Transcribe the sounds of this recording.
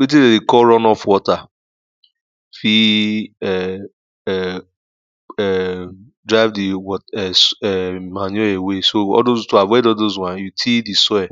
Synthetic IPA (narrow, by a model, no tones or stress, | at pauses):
wet̬idedekɔɹɔnɔfwɔta | fiɛ | ɛ | dɹaɪvdiwɔɛsɛmanɛewesoɔ̰dozutuawedɔdozwãnjutʰidisɔɛ